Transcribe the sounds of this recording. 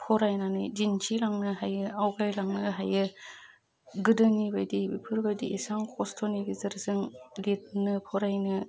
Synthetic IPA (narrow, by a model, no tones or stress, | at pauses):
pʰɔɾajnanɯjd͡ʒint͡ʃʰilaŋnɯɦajɯawɡajlaŋnɯɦajɯ | ɡɯdɯŋibajdibḭpʰɯɾbajdḭʔisaŋkʰɔstʰɔniɡizɯɾzɯŋlit̚nɯpʰɔɾajnɯ